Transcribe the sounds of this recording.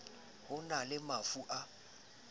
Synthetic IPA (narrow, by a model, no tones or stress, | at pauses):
hʊnalɪmafuʔa